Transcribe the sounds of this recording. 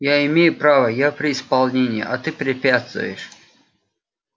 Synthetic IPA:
jaɪmʲejʊpɾavəjapɾʲɪɪspɐlˠnʲenʲɪjɪ̰ʔat̪ɨpɾʲɪpʲat̪st̪vʊ̰jɪʂ

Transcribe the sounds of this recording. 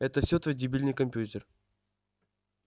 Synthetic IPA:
ɛt̪əfsʲot̪vojdʲɪbʲilʲnɨjkɐmʲpʲjutʲɪr

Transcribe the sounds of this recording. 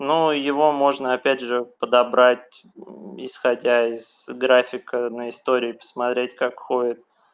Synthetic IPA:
nujɪvo̞mo̞ʐnəɐpʲædʲʐɨpəd̪ɐbɾatʲ | ɪ̰sxɐdʲaɪz̥ɡɾafʲɪkənəɪst̪o̞ɾʲɪːpə̥smɐt̪ɾʲetʲkakxoɪt̪̚

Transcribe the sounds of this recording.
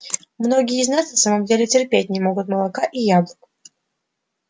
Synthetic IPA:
mno̞ɡʲɪjəɪznasnɐsaməmdʲelʲɪtʲɪrpʲet̚ʲnʲɪmo̞ɡʊt̪məlˠɐkaʔijablˠək

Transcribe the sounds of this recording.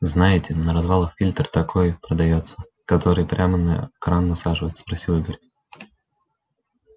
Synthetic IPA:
znajɪtʲɪnəɾɐzvalˠəxfʲilʲt̪rt̪ɐkʰojpɾəd̪ɐjot̪sːə̥ | kɐt̪oɾɨjpɾʲʔamənə̰ɛkɾanːɐsaʐɨvəjɪt̪spɾɐsʲilˠɡəɾʲ

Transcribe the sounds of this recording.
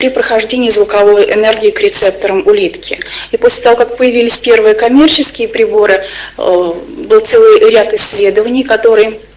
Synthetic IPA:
pɾʲɪpɾəxɐʐdʲenʲɪːzvʊkɐvo̞jʔɪnɛrɡʲɪːkɾʲɪt̪sɛp̚t̪əɾəmʊlʲit̪kʲɪiposʲlʲɪ̥t̪ɐvo̞kak̚pəjɪvʲilʲɪsʲpʲervɨjəkɐmʲe̞rt͡ɕɪskʲɪjəpɾʲɪbo̞ɾɨ | bɨlˠt̪sɛlˠɨjɾʲat̪ɪsʲːlʲe̞d̪əvənʲɪjkɐt̪o̞ɾɨj

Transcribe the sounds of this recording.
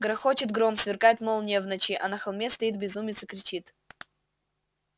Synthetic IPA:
ɡɾɐxot͡ɕɪt̪ɡɾomsvʲɪrkajɪt̪molˠnʲɛvnɐt͡ɕiʔɐnɐxɐlˠmʲest̪ɐit̪̚bʲɪzumʲɪt̪sɨkɾʲɪt͡ɕit̪

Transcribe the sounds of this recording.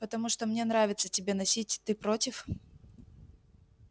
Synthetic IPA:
pət̪ɐmuʂt̪omnʲe̞nɾavʲɪt̪sə̥tʲɪbʲe̞nɐsʲitʲt̪ɨpɾotʲɪf

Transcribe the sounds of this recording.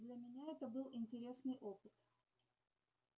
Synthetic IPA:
d̪lʲəmʲɪnʲaɛt̪əbɨlˠɪnʲtʲɪɾʲe̞snɨjʔo̞pɨt̪

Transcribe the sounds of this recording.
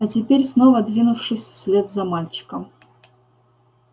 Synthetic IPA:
ɐtʲɪpʲeɾʲsnovɐd̪vʲinʊfʂɨsʲsʲlʲed̪zɐmalʲt͡ɕɪ̥kəm

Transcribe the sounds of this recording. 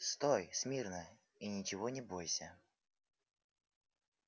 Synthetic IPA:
st̪ojsmʲirnə | inʲɪt͡ɕɪvonʲɪbojsʲə

